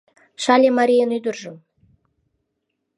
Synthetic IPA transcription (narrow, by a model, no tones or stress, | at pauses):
ʃɑlʲemɑɾʲijənyd̪ərʒə̆m